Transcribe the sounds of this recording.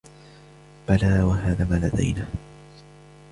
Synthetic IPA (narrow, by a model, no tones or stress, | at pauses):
b̥alaːwaɦaːðaːmaːlad̪a̰jnaː